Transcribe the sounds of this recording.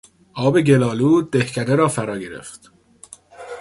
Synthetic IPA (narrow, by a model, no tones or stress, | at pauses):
ʔɒːbe̞ɟe̞lɒːluːd̪ehcʰæd̪eɾɒːfæɾɒːɡe̞ɾḛft̪